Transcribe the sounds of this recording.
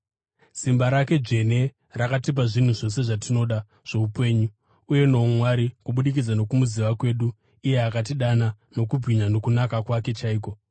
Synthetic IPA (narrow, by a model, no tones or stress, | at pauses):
simbaɾake̞d͡ʒe̞ne̞ | rakatip̬aʐin̤uʐo̞s̬e̞ʐatino̞ɗa | ʐ̥e̞upe̞ːɲuː | je̞no̞mwaɾikuɓuɗik̬id͡zano̞kumuziʋakwe̞ːɗu | ije̞akat̬iɗana | no̞kub͡viɲano̞kunakakwake̞t͡ʃaiːko̞